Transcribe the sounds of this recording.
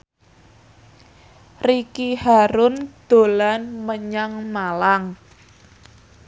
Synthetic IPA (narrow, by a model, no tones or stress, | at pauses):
rikihaɾʊnd̪̥o̤lanməɲaŋmalaŋ